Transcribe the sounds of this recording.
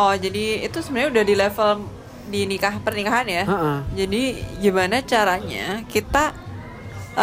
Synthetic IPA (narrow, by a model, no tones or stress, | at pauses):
ɔd͡ʒadḭːt̪usəmənaɲaudahdilefəl | dinikaɦpərnikaɦanjad͡ʒadiɡimanat͡ʃaɾaɲa̰kit̪a